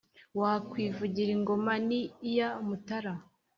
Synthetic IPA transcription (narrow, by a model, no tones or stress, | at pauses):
waːkwiːvuɟiɾiŋɡo̞manijamutaɾa